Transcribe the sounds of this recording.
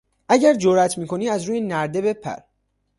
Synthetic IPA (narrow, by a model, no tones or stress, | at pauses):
ʔæɟæɾd͡ʒoɾæt̪ʰmiːkʰo̞niːæzɾuːjenæɾd̪e̞be̞pʰæ̰ɾ